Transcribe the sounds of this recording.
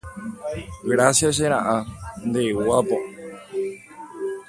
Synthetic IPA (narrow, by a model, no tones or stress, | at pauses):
ɡɾasjas̬eɾ̃ãʔãnd̪ewabo